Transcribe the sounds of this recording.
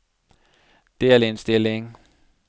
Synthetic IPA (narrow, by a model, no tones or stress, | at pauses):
d̥e̝ælensd̥e̝le̝ŋ